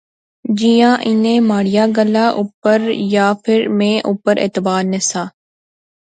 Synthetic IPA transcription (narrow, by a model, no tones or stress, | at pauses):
d͡ʒijãːʔɪnẽːmaːɽ̤ɪjaːɡəlaːʔuːpəɾjaːpʰɪɾmẽːʔuːpəɾʔḛːt̪ɪbaːɾnɪsaː